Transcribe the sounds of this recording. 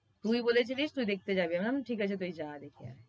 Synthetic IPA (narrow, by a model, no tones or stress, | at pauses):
t̪uiboːlet͡ʃʰeliːt͡ʃt̪uid̪eːk̚t̪ed͡ʒaːbeɛmnamʈʰiːkɦat͡ʃʰet̪̬uid͡ʒaːd̪ekʰea̰ː